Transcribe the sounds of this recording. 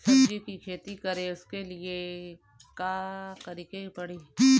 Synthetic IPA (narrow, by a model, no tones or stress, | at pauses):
sɐbd͡ʒikikʰeːt̪ikɐɾẽʊskelie | kaːkɐɾiːkeipɐɽiː